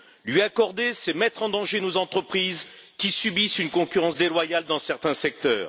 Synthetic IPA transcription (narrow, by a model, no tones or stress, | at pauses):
lɥiakɔʁd̪esɛmɛt̪χɑ̃d̪ɑ̃ʒenozɑ̃t̪χəpχizkʲisybisynkɔ̃kʲyʁɑ̃s̬d̪elwajald̪ɑ̃sɛʁt̪ɛ̃sɛk̚t̪œ̰ːʁ